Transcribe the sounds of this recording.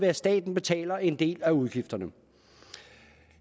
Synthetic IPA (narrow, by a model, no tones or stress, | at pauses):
ʋæɐsd̥ɛ̰ːd̥n̩b̥e̝t͡sʰɛ̰ːlɐe̝nd̥e̝̰ːlæuð̞ˠɡ̥ifd̥ɐnə